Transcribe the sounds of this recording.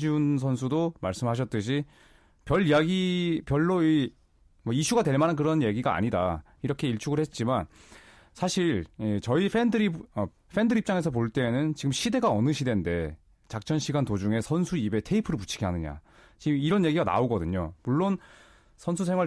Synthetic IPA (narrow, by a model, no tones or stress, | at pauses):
d͡ʑiunsʰʌnsʰudomaɭs͈ɯmɦaɕ̬ʰʌt̚t͈ɯɕʰi | pjʌʎːijaɡipjʌɭːoi | mwʌiɕʰuɡadwe̞ɭmanank̬ɯɾʌnje̞ɡiɡaa̰ɲida̰ | iɾʌkʰe̞iɭt͡ɕʰuɡɯɭhe̞t̚t͡ɕ͈iman | sʰaɕʰiɭit͡ɕʌifʰendɯɾiʌ | ɸʰe̞ndɯɾip̚t͡ɕ͈aŋe̞s̬ʰʌp̬oɭt͈e̞ːnɯnt͡ɕiɡɯmɕʰide̞ɡaʌnɯɕʰide̞nde̞ | t͡ɕak̚t͡ɕ͈ʌnɕʰiɡantod͡ʑuŋe̞sʰʌnsʰuibe̞tʰe̞ipʰɯɾɯɭput͡ɕʰi̥ɡʰeɦanɯɲa̰t͡ɕimiɾʌnje̞ɡiɡana̰oɡʌdɯɲomuɭːon | sʰʌnsʰusʰe̞ŋwa